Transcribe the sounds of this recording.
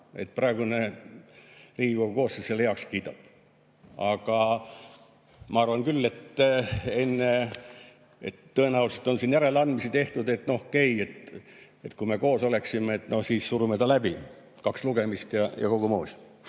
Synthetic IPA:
e̞̰t̪̚prɑeɡune̞ | riːɡiko̞ɡuko̞ːsseselːjɑkskiːt̪ɑb̥ | ɑɡ̥ɑ | mɑɑrvɑŋkylːe̞t̪ː | e̞nːe | et̪ːɤ̞e̞næulset̪ːˑonsinjæɾe̞leɑnd̪̥misit̪e̞ht̪ud̪e̞t̪no̞oke̞jet̪ | et̪kume̞ko̞ːso̞le̞ksimeet̪ːno̞hsiːssuɾumet̪ɑlæbi | kɑksluɡ̥e̞mist̪jɑjɑ̰ko̞ɡ̥umoːsʲ

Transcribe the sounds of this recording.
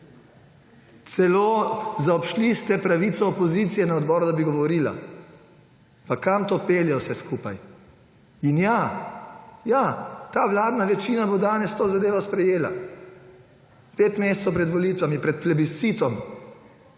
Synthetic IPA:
t̪sɛloːzaɔpʃlist̪ɛpɾaʋiːt̪sɔːpɔziːt̪sijɛnaɔd̪bɔːɾud̪abiɡɔʋɔɾiːla̰ | pakamt̪oːpeːljɛwsɛskuːpaj | inja | jat̪aːʋlaːd̪naʋɛt͡ʃiːnabod̪aːnɛst̪oːzad̪eːʋɔspɾɛjeːla̰ | peːt̪mest̪sɔwpɾɛd̪ʋɔliːt̪ʋamipɾɛt̪̚plɛbist̪siːt̪ɔm

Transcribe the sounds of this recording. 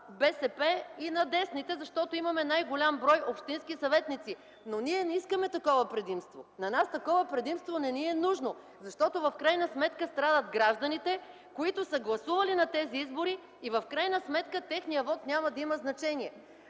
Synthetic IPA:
bɛsɛpɛinɐd̪ɛsnit̪ɛzɐʃt̪ɔt̪oimɐmɛnajɡolʲambɾɔjopʃt̪inskisɐvɛt̪nit̪si | noniɛnɛiskəmɛt̪ɐkɔvəpɾɛd̪imst̪vonɐnast̪ɐkɔvəpɾɛd̪imst̪vonɛniɛnuʒno | zɐʃt̪ɔt̪ovɐfkɾajnəsmɛt̪kəst̪ɾad̪ət̪ɡɾaʒd̪ɐnit̪ɛ | koit̪ʊsəɡlˠɐsuvɐlinɐt̪ɛziizboɾiː | vɐfkɾajnəsmɛt̪kət̪ɛxnijəvɔt̪nʲamɐd̪ɐimɐznɐt͡ʃɛniɛ

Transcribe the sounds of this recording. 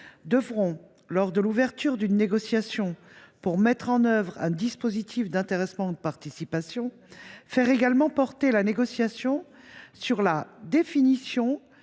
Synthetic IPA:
d̪əvʁɔ̃ | lɔʁd̪əluvɛʁt̪yʁd̪ynːeɡɔsjasjɔ̃ | puʁmɛt̪χɑ̃nœvʁɛ̃d̪ispozit̪ʰifd̪ɛ̃t̪eʁɛsmɑ̃ud̪əpaʁt̪isipasjɔ̃ | fɛʁeɡalmɑ̃pɔʁt̪elaneɡɔsjasjɔ̃ | syʁlad̪efinisjɔ̃

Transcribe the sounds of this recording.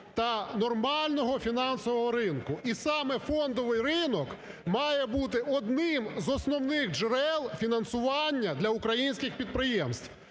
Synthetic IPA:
t̪ɐnɔrmɑlʲnɔɦɔfʲinɑnsɔʋɔɦɔɾɪnkʊisɑmɛfɔnd̪ɔʋɪjrɪnɔk | mɑjɛbut̪̬ɪʔɔd̪nɪmzɔsnɔwnɪxd͡ʒeɾɛlˠfʲinɐnsʊʋɑnʲːɐd̪lʲɐʊkɾɐjinʲsʲkʲɪxpʲid̪̚pɾɪjɛmst̪ʋw

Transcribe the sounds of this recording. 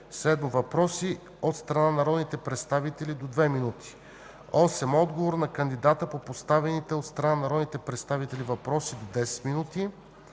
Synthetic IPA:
sɛd̪movɐpɾɔsi | ot̪st̪ɾɐnanɐɾɔd̪nit̪ɛpɾɛt̪st̪avit̪ɛlid̪od̪vɛminut̪ʰi̥ | ɔsɛmɔd̪ɡovoɾnɐkənd̪id̪at̪əpopost̪avɛnit̪ɛot̪st̪ɾɐnanɐɾɔd̪nit̪ɛpɾɛt̪st̪avit̪ɛlivɐpɾɔsid̪od̪ɛsɛ̥t̪minut̪i

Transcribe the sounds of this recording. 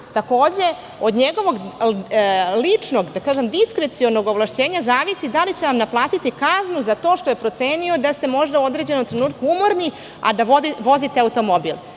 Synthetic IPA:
t̪ako̞ːd͡ʑe̞ | o̞d̪ɲeɡo̞ʋo̞ɡ | lit͡ʂno̞ɡd̪akaːʒe̞md̪iskɾet̪sio̞no̞ɡoʋlˠaʃt͡ɕeːɲazaːʋisid̪alit͡ɕe̞ʋamnaplˠaːt̪it̪ikaznuzat̪o̞ːʃt̪o̞jepɾo̞t̪se̞ːnio̞d̪ast̪e̞mo̞ʒd̪auo̞d̪ɾed͡ʑe̞no̞mt̪ɾe̞nuːt̪̚kuumo̞ɾni | a̰d̪aoʋo̞zit̪eaut̪o̞mo̞bilˠ

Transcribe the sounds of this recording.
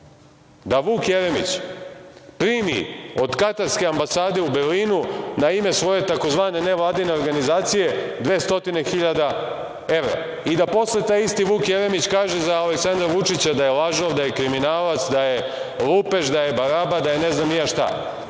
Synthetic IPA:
d̪aʋuːkjeɾemḭt͡ɕ | pɾimḭo̞d̪kat̪aɾske̞ambasaːd̪e̞ubeliːnunaime̞sʋo̞je̞t̪ako̞zʋaːne̞ne̞ʋlˠaːd̪ine̞o̞ɾɡanizaːt̪sije̞d̪ʋeːst̪o̞t̪ine̞xiʎad̪a | e̞ʋɾa̰ | id̪apo̞sle̞t̪aːjist̪iʋuːkjeɾe̞mit͡ɕkaːʒezaːleksand̪ɾaʋut͡ʃit͡ɕad̪ajelaʒoʋd̪ajekɾiminaːlat̪sd̪aje | lupe̞ʃd̪aje̞baɾabad̪ajeneznamnijaʃt̪a̰

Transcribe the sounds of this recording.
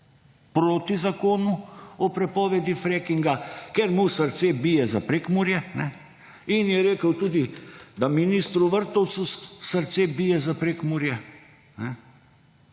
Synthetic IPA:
pɾoːt̪izakoːnuɔpɾɛpɔːʋɛd̪ifɾɛkiŋɡakeɾmusəɾt̪sebijɛzapɾekmuɾjɛnɛ | injɛɾeːkəwt̪uːd̪id̪aminist̪ɾuʋəɾt̪ɔwt̪susəɾt̪sebijɛzapɾekmuɾjɛ | nɛ

